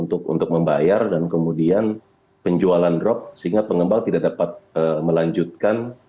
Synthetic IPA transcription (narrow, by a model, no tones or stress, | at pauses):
unt̪ʊkṵnt̪ʊk̚məmbajardankəmudian | pəɲd͡ʒualandɾɔp̚səɦiŋɡapəŋəmbaŋt̪idaʔdapat̪̚əməlaɲd͡ʒut̪̚kan